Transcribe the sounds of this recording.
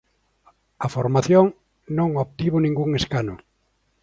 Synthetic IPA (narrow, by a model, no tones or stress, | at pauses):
afoɾmaθjoŋ | nõŋopt̪iβʊnĩŋɡuŋeskanʊ